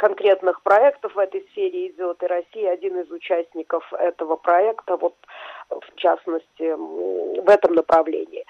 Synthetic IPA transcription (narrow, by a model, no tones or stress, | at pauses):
kɐnkɾʲe̞t̪nɨxpɾɐɛkt̪əfvɛt̪əjsfʲeɾʲɪːd͡zʲot̪ɨɾɐsʲijɪɐdʲinɪzʊt͡ɕæsʲnʲɪkəfɛt̪əvəpɾɐɛkt̪əvo̞t̪ft͡ɕa̰snəsʲtʲɪ | vɛt̪əmnəpɾʔɐvlʲḛnʲɪː